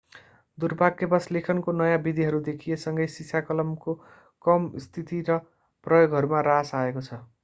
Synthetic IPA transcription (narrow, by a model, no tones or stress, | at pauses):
d̪urbakːebʌslekʰʌnkonʌjabid̪ʱiɦʌɾud̪ekʰijesʌŋɡʌjsisʰakʌlʌmko | kʌmst̪ʰit̪iɾʌ | prʌjoɡʱɦʌɾumaɾasaekot͡sʰʌ